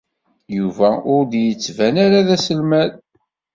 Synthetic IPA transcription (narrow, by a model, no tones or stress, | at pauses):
juvæʊɾd̪jət͡sːvænaɾaðæsəlmæð